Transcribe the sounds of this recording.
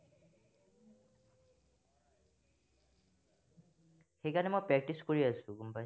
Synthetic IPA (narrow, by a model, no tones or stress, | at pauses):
xejkanɛmɔjpɹɛk̚ʈiskoɹiasʊ̃kumpa